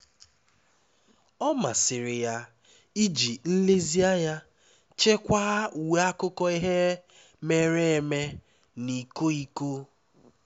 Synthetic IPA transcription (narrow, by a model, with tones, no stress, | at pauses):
ɔ˦ma˨sɪ˨ɾɪ˨ja˨ | i˦d͡ʒi˨n̩˦le˦zi˦a˦ja˦ | t͡ʃe˦kʷa˦u˨we˦a˦kʊ˦kɔ˦i˦ɦe˦ | me˨ɾe˦e˨me˦ | ni˨ko˦i˦ko˦